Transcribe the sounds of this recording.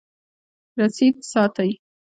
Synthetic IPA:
ɾasid̪̚sɑt̪aj

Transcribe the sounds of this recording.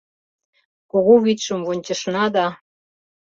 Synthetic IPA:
koɣoβit̪ʃə̆mβonʲt͡ɕə̆ʃnɑd̪ɑ

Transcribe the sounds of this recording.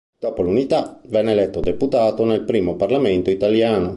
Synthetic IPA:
d̪̥ɔːpolunit̪avɛnːelɛt̪ːod̪eput̪aːt̪onɛlpɾiːmoparlamɛnt̪oit̪aljaːno

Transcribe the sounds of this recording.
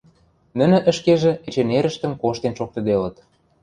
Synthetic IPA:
nə̆nə̆ʔə̆ʃkeʒĕĕt͡ɕeneɾə̆ʃt̪ə̆mkoʃt̪enʃok̚t̪ɤ̆d̪elə̆t̪

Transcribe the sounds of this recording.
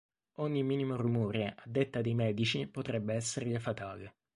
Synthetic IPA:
oɲːimːiːnimorumuːɾeʔad̪ːet̪ːad̪ejmɛːd̪it͡ʃipot̪ɾɛbːeɛsːeɾʎafat̪aːle

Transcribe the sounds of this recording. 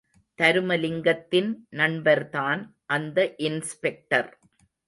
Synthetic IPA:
t̪ɐɾɯmɐlɪŋɡɐt̪ːɪnnɐɳbɐɾt̪aːn | ʔɐnd̪ɐʔɪnspɛk̚ʈɐɾ

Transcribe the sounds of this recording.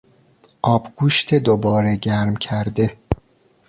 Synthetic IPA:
ʔɒːbɡ̥uːʃt̪ʰe̞d̪obɒːɾe̞ɟæɾmcʰæɾd̪e̞

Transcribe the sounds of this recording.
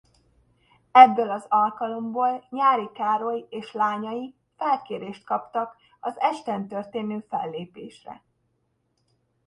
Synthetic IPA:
ɛbːøːlɒzɒlkɒlo̞mboːlɲaːɾikaːɾojieːʃlaːɲɒji | fɛlkeːɾeːʃt̪̚kɒpt̪ɒk | ɒzɛʃt̪ɛnt̪ørt̪eːnøːfɛlːeːpeːʃrɛ̰

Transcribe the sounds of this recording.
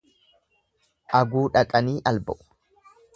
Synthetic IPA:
ʔɐɡuːᶑɐkʼɐniːʔɐlbɐʔʊ̥

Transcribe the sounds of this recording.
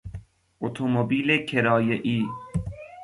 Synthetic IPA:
ʔot̪ʰomobiːlekʰeɾɒːjeʔiː

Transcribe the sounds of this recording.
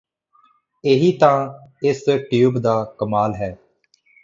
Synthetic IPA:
eɦiːt̪ãːɪsʈjuːbd̪aːkəmaːlɦɛː

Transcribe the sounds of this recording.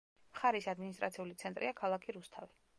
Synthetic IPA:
mχaɾisad̪minist̪ʼɾa̰t̪sʰiulit̪sʰɛnt̪ʼɾʔiakʰalˠakʰiɾust̪ʰavi

